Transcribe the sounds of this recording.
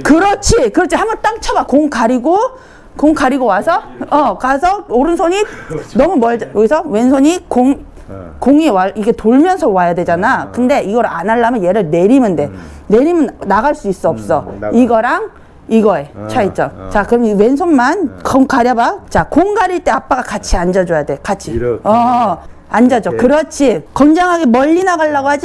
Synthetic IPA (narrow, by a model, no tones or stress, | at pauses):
kɯɾʌt͡ɕʰikɯɾʌt͡ɕʰihamʌt͈aŋt͡ɕʰabakoŋkaɾiɡo | koŋkaɾiɡowasʰʌʌkasʰʌoɾɯnsʰoɲinʌmumʌɭjoɡisʰʌwe̞nsʰoɲikoŋ | koŋiwaiɡe̞toɭmjʌnsʰʌwajadwe̞d͡ʑanakɯnde̞iɡʌɾanaɭːamjʌnje̞ɾɯɭne̞ɾimɯnde̞ | ne̞ɾimɯnnaɣaɭs͈uis͈ʌʌp̚s͈ʌiɡʌɾaŋ | iɡʌe̞t͡ɕʰait͡ɕ͈ʌt͡ɕakɯɾʌmwensʰonmankʌŋkaɾjʌbat͡ɕakoŋɡaɾiɭt͈e̞ap͈aɡakat͡ɕʰiand͡ʑad͡ʑojade̞kat͡ɕʰiʌ | and͡ʑad͡ʑokɯɾʌt͡ɕʰikʌnd͡ʑaŋɦaɡemʌʎːinaɡaɭːaɡoɦad͡ʑi